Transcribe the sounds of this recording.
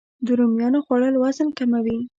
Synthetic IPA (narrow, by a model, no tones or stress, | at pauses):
d̪ʊɾumjɑnoxwaɽəlwɑzənkamawi